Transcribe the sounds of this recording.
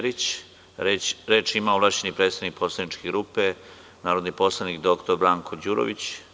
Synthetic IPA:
ɾit͡ɕ | ɾeːt͡ʃimaoʋlˠaʃt͡ɕe̞nipɾet̪st̪aʋnik̚poslaʋnit͡ʃkeɡɾuːpe̞ | naːɾo̞d̪niposlˠanikd̪okt̪oɾbɾaːŋkʰo̞d͡ʑuːɾo̰ʋit͡ɕ

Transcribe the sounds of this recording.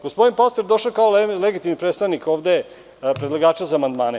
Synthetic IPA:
ɡ̥ospo̞d̪inpast̪eɾd̪o̞ʃokaoleɡit̪imnipɾet̪st̪aʋniko̞ːʋd̪e̞ | pɾed̪lˠaɡaːt͡ʃazaːmand̪maːne

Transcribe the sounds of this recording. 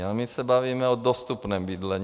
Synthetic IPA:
amɪsɛbaviːmɛod̪ost̪upnɛːmbid̪lɛɲ

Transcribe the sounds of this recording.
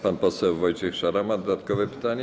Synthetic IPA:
panpɔsɛwvɔjt͡ʃɛxʂaɾamad̪ɔd̪at̪kɔvɛpɘ̥t̪aɲɛ

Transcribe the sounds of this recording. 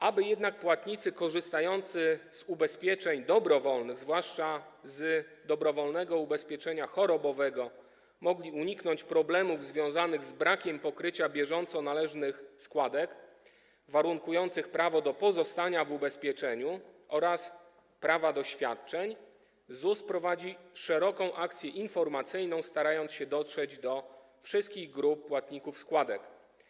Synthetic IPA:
ʔabɘjɛd̪nak̚pwat̪ɲit̪sɘkɔʐɘst̪ajɔnt̪sɘz̥ubɛspʲjɛt͡ʂɛɲd̪ɔbɾɔvɔlnɘɣzvwaʂt͡ʂazd̪ɔbɾɔvɔlnɛɡɔubɛspʲjɛt͡ʂɛɲaxɔɾɔbɔvɛɡɔ | mɔɡlʲiuɲiknɔɲt͡ɕpɾɔblɛmuvzvʲjɔ̃w̃zanɘɣzbɾakʲɛmpɔkɾɘt͡ɕabʲjɛʐɔnt̪sɔnalɛʐnɘxskwad̪ɛk | vaɾuŋkujɔnt̪sɘxpɾavɔd̪ɔpɔzɔst̪aɲavubɛspʲjɛt͡ʂɛɲuʔɔɾas | pɾavad̪ɔɕfʲjat̪̚t͡ʂɛɲ | zuspɾɔvad͡ʑiʂɛɾɔkɔ̃w̃ʔak̚t̪sʲjɛʔinfɔɾmat̪sɘjnɔ̃w̃st̪aɾajɔnt̪ɕɛd̪ɔtʂɛd͡ʑd̪ɔ | fʂɘst̪kʲiɣɡɾup̚ːwat̪ɲikufskwad̪ɛk

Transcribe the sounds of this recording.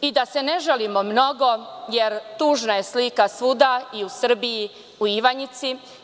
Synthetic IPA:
id̪aseneʒelimomno̞ɡo̞jeɾt̪uːʒnajeslikasʋud̪aiusr̩biji | uiʋaɲit̪si

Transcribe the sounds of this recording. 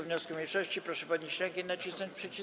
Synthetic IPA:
vɲɔskumʲilʂɔɕt͡ɕipɾɔʂɛpad̪ɲiɕɾɛŋkʲɛnat͡ɕisnɔɲt͡ɕpʂɛt͡ɕi

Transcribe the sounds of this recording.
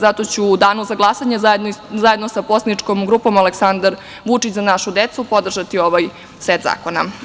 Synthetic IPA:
zat̪o̞t͡ɕuːd̪aːnuzaɡlˠasaɲezezajed̪nosaposnit͡ʃkomɡɾuːpo̞maleksand̪aɾ | ʋut͡ʃit͡ɕzanaʃud̪et̪supo̞d̪r̩ʒat̪io̞ʋaj | sʋet̪za̰ːko̞na̰

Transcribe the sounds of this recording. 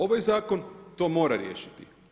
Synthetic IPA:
o̞ʋajzaːko̞nt̪o̞ːmo̞ːɾaɾjḛːʃi̥t̪i

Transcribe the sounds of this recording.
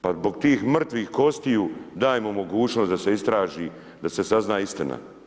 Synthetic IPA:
pazbo̞ɡt̪iːxmr̩t̪ʋiːxko̞st̪ijud̪aːjemomo̞ɡuːt͡ʃno̞sd̪aseist̪ɾaːʒiː | d̪ase̞saznaːist̪ina̰

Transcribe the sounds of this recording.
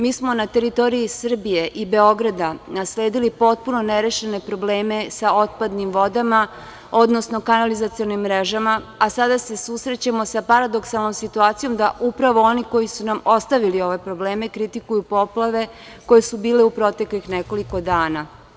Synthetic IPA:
miːsmo̞nat̪e̞ɾit̪o̞ɾiisr̩bije̞ʔibe̞o̞ɡɾad̪anasle̞ːd̪ilipo̞t̪̚puno̞neɾeʃene̞pɾo̞bleːme̞sao̞t̪̚pad̪nimʋo̞d̪ama | o̞d̪no̞sno̞kanalizat̪sijonimːɾe̞ʒamaasad̪ase̞susɾe̞t͡ɕamo̞sapaɾad̪o̞ksalˠno̞msit̪uaːt̪sijo̞md̪aʔupɾaʋo̞o̞niko̞jisunamo̞st̪aʋilio̞ʋe̞pɾo̞ble̞ːme̞kɾit̪ikujupo̞plˠaʋe̞ | ko̞je̞subiːle̞upɾo̞t̪e̞klixneko̞liko̞d̪aːna

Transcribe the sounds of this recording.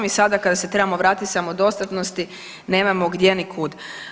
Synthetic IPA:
misad̪akad̪aset̪ɾe̞bamoʋɾaːt̪it̪samod̪o̞st̪at̪nost̪i | ne̞ːmamoɡd̪jenikʰuːd̪

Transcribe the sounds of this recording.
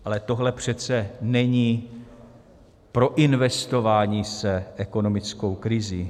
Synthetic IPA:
ʔalɛt̪o̞ɦlɛpr̝̥ɛt͡sɛnɛɲiː | pɾo̞ʔɪnvɛst̪o̞vaːɲiːsɛʔɛko̞no̞mɪt͡skowkɾɪziː

